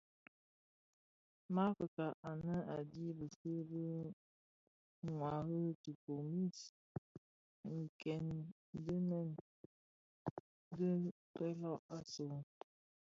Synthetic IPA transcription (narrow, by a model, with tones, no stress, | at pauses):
ma˦fə˨ka˨ʔa˨nə˦a˨di˦bə˨sə˦bə˦ | ŋwa˨ɣə˦tu˨po˨mi˦s | ŋ̩˨kɛ˨n˦ | də˦nɛ˨n | də˦ | pɛ˦lɔ˦a˦so˨